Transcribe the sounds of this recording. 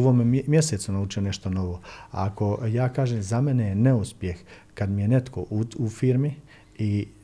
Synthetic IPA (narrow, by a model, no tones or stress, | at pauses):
ʋoːmmje̞seːt̪sunaut͡ʃione̞ʃt̪o̞no̞ʋoa̰ako̞jaːkaːʒemzamenejene̞uspje̞x | kad̪mije̞ne̞t̪kʰo̞̰ʔuufiːɾmi | i